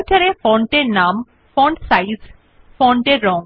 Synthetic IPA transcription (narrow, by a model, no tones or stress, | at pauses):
kaɾefɔɳʈeɾnam | fɔɳɖsajz | fɔɳʈeɾːɔŋ